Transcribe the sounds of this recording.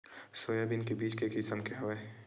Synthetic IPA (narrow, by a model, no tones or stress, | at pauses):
soːjabɪnkebiːt͡ʃkekɪsəmkeɐʋeː